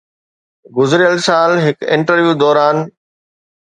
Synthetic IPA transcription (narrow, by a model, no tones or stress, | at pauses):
ɡʊzɾɪjəlsaːlɦɪkɪ̃ɳʈəɾʋjuːd̪ɔːɾaːn